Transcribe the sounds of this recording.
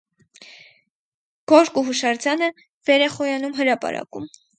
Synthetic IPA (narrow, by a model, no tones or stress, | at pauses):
ɡ̥ɔɾkuɦuʃɑɾd͡zɑnə | vɛɾɛχɔjɑnumɦəɾɑpɑ̰ɾɑ̰kṵm